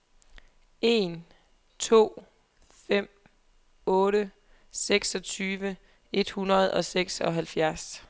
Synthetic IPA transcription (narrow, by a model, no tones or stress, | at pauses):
ʔe̝n | t͡sʰo̝̰ː | fem̰ | ɔ̽ːɾə | seɡ̥sɒ̽t͡sʰyːʋə | e̝d̥hunɐð̞̩ˠɒ̽seɡ̥sɒ̽ɦælfjæɐs